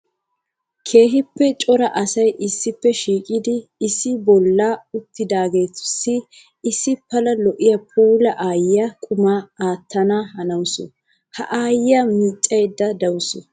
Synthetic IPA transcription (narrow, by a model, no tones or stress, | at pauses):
kʰe̞ːɦɪpːɛt͡ʃʼɔɾɐʔɐsɐjʔɪsːɪpːɛʃiːkʼɪd̪ɪːsːɪbɔlːaːʊt̪ːɪd̪aːɡe̞ːt̪ʊ̥sːɪː | sːɪpːɐlɐlɔʔɪjɐpʰuːlɐʔaːjɪjakʼʊmaːaːt̪ːɐnaːhɐnɐwʊsɔ̰ | hɐ̰ʔaːjɪjamit͡ʃʼːɐjd̪ːɐd̪ɐwʊsɔ